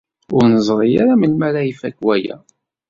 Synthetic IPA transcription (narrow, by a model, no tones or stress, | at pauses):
ʊɾnəzˤʁijaɾamənmæɾaifækwæjæ̰